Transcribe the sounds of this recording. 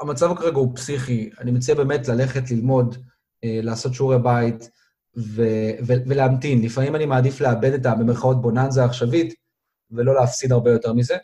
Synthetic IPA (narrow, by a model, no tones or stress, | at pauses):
amat͡savakaʁeɡaupsiχianimet͡sajebe̞ːmetlale̞χe̞tlilmo̞d | elaːso̞tʃuʁebait | veveveleamtinlifamimanimaːdifleabe̞detabemeχao̞t̚bo̞nanzaːχʃavit | velo̞leafsidaʁbejo̞te̞ʁmize